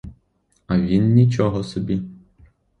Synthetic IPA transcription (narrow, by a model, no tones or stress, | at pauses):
ɐʋʲinːʲit͡ʃɔɦɔsɔbʲi